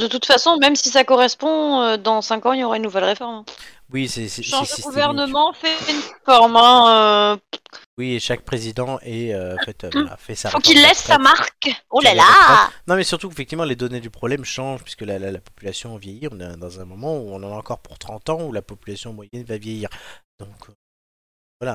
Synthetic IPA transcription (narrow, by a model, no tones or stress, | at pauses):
d̪ət̪ut̪fasɔ̃mɛmsisakɔʁɛspɔ̃ød̪ɑ̃sɛ̃kɑ̃iljoʁaynːuvɛlʁefɔʁmɛ̃ | wisɛsɛʃɑ̃sd̪əɡuvɛʁnəmɑ̃fɛynʁefɔʁmɛ̃ø | wieʃak̚pχezid̪ɑ̃eøɑ̃fɛt̪a̰fɛsafokilːɛsːamaʁkolalaɛnɔ̃mɛsyʁt̪ukefɛk̚t̪ivmɑ̃led̪ɔned̪ypχɔblɛmʃɑ̃ʒpɥi̥skəlalalapɔpylasjɔ̃avjɛjiɔ̃nad̪ɑ̃zɛ̃mɔmɑ̃uɔ̃nɑ̃naɑ̃kɔʁpuʁt̪χɑ̃t̪ɑ̃ulapɔpylasjɔ̃mwajɛnvavjejiːʁd̪̥ɔ̃kʰø | vwala